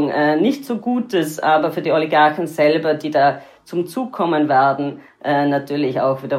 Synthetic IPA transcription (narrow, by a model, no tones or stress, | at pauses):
ŋʔɛːnɪçtz̥oːɡuːtəsʔaːbɐfyːɐdiːɔliɡaɐçn̩zɛlbɐdiːdaː | t͡sʊmt͡suːkkʰːɔmənvɛɐdn̩ | ʔɛːnatʰyːɐlɪça̰ʊxv̥iːdɐ